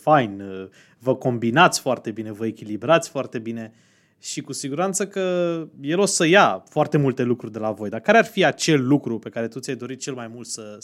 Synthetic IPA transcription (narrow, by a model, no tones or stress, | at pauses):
fajn | vəko̞mbinat̪sʲfoart̪e̞bine̞vəe̞kʲilibɾat̪sʲfoart̪e̞bine̞ | ʃikusiɡuɾant̪səkəje̞losəjafoart̪e̞mult̪e̞lukɾurʲd̪e̞lavo̞jd̪akaɾearfiat͡ʃe̞lːukɾupe̞kaɾe̞t̪ut̪sʲjajd̪o̞ɾit̪̚t͡ʃe̞lmajmult̪sə